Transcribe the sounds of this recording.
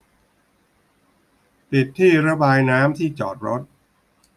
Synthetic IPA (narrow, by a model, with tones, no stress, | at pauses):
p̪i˨˩t̪ʰːiː˥˩ɾa˦˥baː˧jnaː˦˥mt̪ʰiː˥˩t͡ɕɔ̰ː˨˩t̪̚ɾo˦˥t̪̚